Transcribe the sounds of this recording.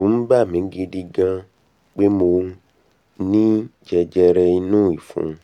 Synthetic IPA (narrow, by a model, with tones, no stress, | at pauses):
ũ˨˦m̩˦ba˦˨mĩ˨˦ŋ˦ɡi˧di˧ɡã˧ | k͡pe˦mo˧˦ | nĩ˦d͡ʒɛ˧d͡ʒɛ˧ɾɛ˧i˧nũː˦˨i˨fṵ̃˨˦